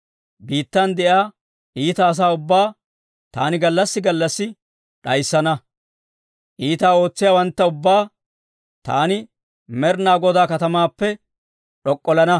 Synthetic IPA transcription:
biːt̪ːɐnd̪ɛʔjaː | ʔiːt̪ɐːs̬aːʊbːaː | t̪aːnɪɡɐlːɐsːɪɡɐlːɐsːɪ | ᶑɐjsːɐnɐ | ʔiːt̪aːo̞ːt͡sːɪjaːwɐnt̪ːɐʊbːaː | t̪a̰ːnɪ | mɛɾnaːɡɔd̪aːkɐt̪ɐmaːpːɛ | ᶑɔkʼːɔlɐnɐ

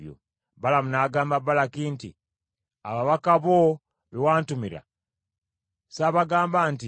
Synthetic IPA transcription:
jo̰ | balamunaːɡaːmbabalakiːntḭ | a̰βaβakaβo | βewaːntumiɾa̰ | saβaɡaːmbaːnti

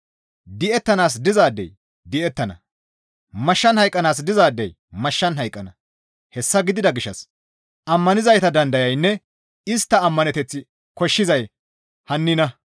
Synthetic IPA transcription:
d̪ɪɛt̪ːɐnaːs̬d̪ɪzaːd̪ːɛ̰j | d̪ɪʔɛt̪ːɐnɐ̰ | mɐʃːɐnhɐjkʼːɐnaːs̬d̪ɪzaːd̪ːɛj | mɐʃːɐnɦɐjkʼːɐnɐ | hɛsːɐɡɪd̪ɪd̪ɐɡɪʃːɐs | ʔɐmːɐnɪzɐjt̪ɐd̪ɐnd̪ɐjɐjnːɛ | ɪst̪ːɐːmːɐnɛt̪ɛt͡sːɪ | kɔʃːɪzɐj | hɐnːɪnɐ

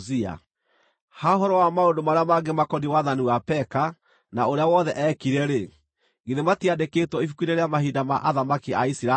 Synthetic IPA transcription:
zia̰ | haoɦɔɾɔwamaondomaɾeamaɡemakɔdiwaðaniwapɛka | naoɾeawɔðɛʔɛkiɾɛɾe | ɣiðematiadeketwɔifukwiɾeɾeamaɦidama̰ʔaðamakiaisiɾa

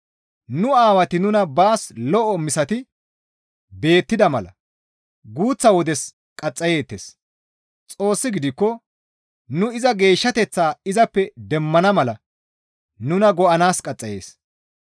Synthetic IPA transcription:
nʊaːwɐt̪ɪnʊnɐbaːslɔʔɔmɪsɐt̪ɪ | be̞ːt̪ːɪd̪ɐmɐlɐ̰ | ɡuːt͡sːɐwɔd̪ɛs | kʼɐt͡sʼːɐje̞ːt̪ːes | t͡sʼo̞ːsːɪɡɪd̪ɪkːɔ | nʊɪzɐɡe̞ːʃːɐt̪ɛt͡sːaːɪzɐpːɛd̪ɛmːɐnɐmɐlɐ | nʊnɐɡɔʔɐnaːskʼɐt͡sʼːɐje̞̰ːs

